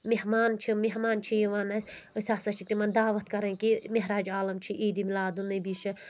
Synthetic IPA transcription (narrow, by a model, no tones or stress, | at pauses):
meɦmaːnt͡ʃʰimeɦmaːnt͡ʃʰijiʋaːnɐsʲɨsʲaːsɐt͡ʃʰit̪imɐnd̪aːʋɐt̪kɐɾɐ̃kimeɦɾaːd͡ʒaːlɐmt͡ʃʰiʔiːd̪imilaːd̪unɨbiʃɐ